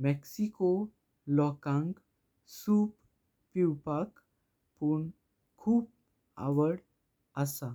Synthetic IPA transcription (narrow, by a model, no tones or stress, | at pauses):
mɛksiko | lɔkãŋɡ | suːpː | iwpak | puɳ | kʰuːb̚ | a̰ʋəɽ | asa